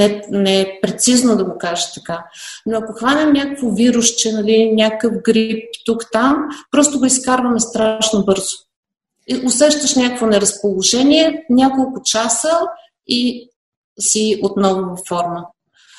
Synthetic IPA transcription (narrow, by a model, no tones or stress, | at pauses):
nɛnɛpɾɛt̪siznod̪ɐɡokaʒət̪ɐkanoɐkʊxvanʲɛmnʲakəkvoviɾʊʃt͡ʃɛnɐlinʲakəfɡɾip̚t̪ukt̪ampɾɔst̪ʊɡʊiskaɾvəmɛst̪ɾaʃnobɤɾzʊ̥ | osɛʃt̪əʃnʲjakəkvonɛɾɐspolˠoʒɛniɛnʲakolˠkʊt͡ʃasə | i | siot̪nɔvnovɐfɔɾmə